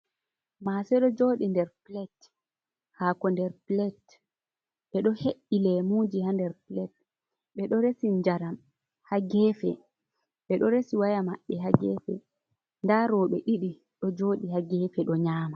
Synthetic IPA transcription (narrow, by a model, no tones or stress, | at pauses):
masɛɗɔd͡ʒoːɗindɛɾplɛt | hakɔndɛɾplɛt | ɓɛɗɔheɗilɛmud͡ʒihandɛɾplɛt̚ | ɓɛɗɔɾesiɲd͡ʒaɾam | haɡɛfɛ̰ | ɓɛɗɔɾesiwajamaɓːɛɦaɡɛ̰fɛ̰ | ndaɾɔɓɛʔiɗi | ɗɔd͡ʒoːɗihaɡɛfɛɗɔɲaːma